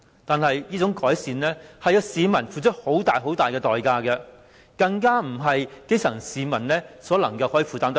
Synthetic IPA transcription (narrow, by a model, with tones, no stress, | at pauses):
t̪aː˨nhɐ˨jjiː˥t͡sʊ˨˥ŋkɔː˨˥jsiː˨nlɛː˥hɐ˨jɐː˧siː˨˧mɐ˨˩nfuː˨t͡ʃʰɵ˥t̚ho˨˥wt̪aː˨jɦo˨˥wt̪aː˨jkɛː˧t̪ɔː˨jkaː˧kɛ˧ | kɐ˧ŋkaː˥m̩˨˩ɦɐ˨jke˥sɐ˨˩ŋsiː˨˧mɐ˨˩nlɛː˥sɔː˨˥lɐ̰˨˩ŋkɐ˧whɔː˨˥jiː˨˧fuː˨t̪aː˨˥mt̪